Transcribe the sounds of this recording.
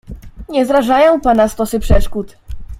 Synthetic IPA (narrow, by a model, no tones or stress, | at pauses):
ɲɛzɾaʐajɔ̃w̃panast̪ɔsɘpʂɛʂkut̪